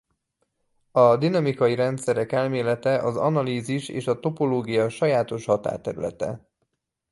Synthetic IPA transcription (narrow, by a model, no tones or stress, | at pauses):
ɒd̪inɒmikɒjiɾɛnt̪sɛɾɛkɛlmeːlɛt̪ɛʔɒzɒ̰nɒliːziʃḛːʃɒt̪o̞po̞loːɡijɒʃɒjaːt̪o̞ʃhɒt̪a̰ːrt̪ɛɾy̰lɛ̰t̪ɛ̰